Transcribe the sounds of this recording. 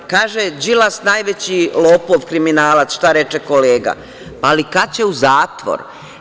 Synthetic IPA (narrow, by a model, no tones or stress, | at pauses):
kaːʒed͡ʒilasnaːjʋet͡ɕilˠoːpo̞ʋkɾiminaːlat̪sʃt̪aɾet͡ʃeko̞leːɡa̰ | paːlikat͡ɕe̞uzaːt̪ʋo̰ɾ